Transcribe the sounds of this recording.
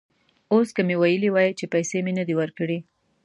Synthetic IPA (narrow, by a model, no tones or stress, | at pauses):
oskəmewajəliwɑjit͡ʃepajsemenəd̪iwəɾkəɽi